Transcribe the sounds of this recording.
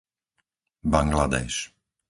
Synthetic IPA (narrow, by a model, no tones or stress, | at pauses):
baŋɡlad̪ɛ̰ʃ